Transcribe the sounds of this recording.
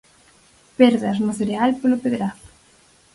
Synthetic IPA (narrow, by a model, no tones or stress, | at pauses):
peɾðɐznoθeɾealpelopeðɾaθʊ̥